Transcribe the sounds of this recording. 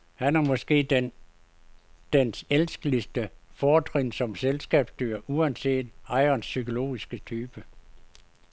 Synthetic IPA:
hænæɐmɒ̽sɡ̥e̝̰ːden | d̥enselsɡ̥əlisd̥əfɒːdʰʁensɒ̽mselsɡ̥ɛ̰ːb̥sd̥yɐ̰ʔuænse̝̰ːd̥ɑ̈ɪɐnsːykʰo̝lo̝̰ːisɡ̥ət͡sʰyːb̥ə

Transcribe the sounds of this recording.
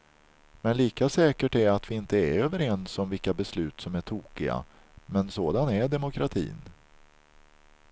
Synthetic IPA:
mɛnliːkasɛːkəʈæɾɾat̪vɪɪnt̪əæɾøːvəɾɛnsɔmvɪlkabɛslʉ̟ːt̪sɔmæʈʰuːkɪɡa̰ | mɛnsoːd̪anæɖɛmʊkʰɾat̪ʰḭːn

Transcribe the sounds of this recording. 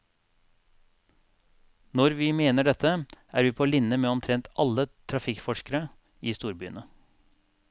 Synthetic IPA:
nɔɾʋiːmeːnəɖɛt̪ʰəʔæːɾʋiːpʰoːlɪnːəmeːɔmt̪ʰɾɛnt̪ɑlːət̪ʰɾɑfɪkfɔʂkəɾə | iːst̪uːɾbyːənə

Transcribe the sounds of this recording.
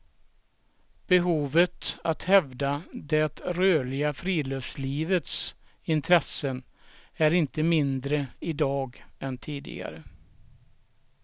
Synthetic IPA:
b̥ɛɦuːvət̪at̪hɛvd̪ad̪ɛt̪ɾøːlɪɡafɾiːløːfsliːvət̪s | ɪnt̪ʰɾɛsːən | æɾɪnt̪əmɪnd̪ɾəɪd̪ɑːɡɛnt̪ʰiːd̪ɪ̰ɡa̰ɾə

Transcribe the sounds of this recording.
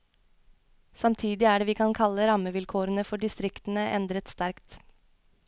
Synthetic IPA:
sɑmt̪ʰiːd̪ɪæːɖeːʋiːkʰɑnkʰɑlːəɾɑməʋɪlkʰoːɾənəfɔɖɪst̪ɾɪkt̪ən̩əʔɛ̰nd̪ɾət̪st̪æɾkt̪

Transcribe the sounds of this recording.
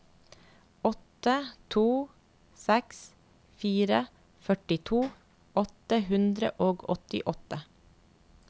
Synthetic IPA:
ɔt̪ət̪ʰuː | sɛks | fiːɾə | fœʈɪt̪ʰuː | ɔt̪əhʉnd̪ɾə̰ʔoːɡɔt̪ɪ̰ʔɔt̪ə

